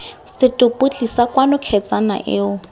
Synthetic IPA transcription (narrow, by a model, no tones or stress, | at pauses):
sɪtʼʊpʼʊt͡ɬʼisakwanʊkʰɛt͡sʼana̰ʔɪʊ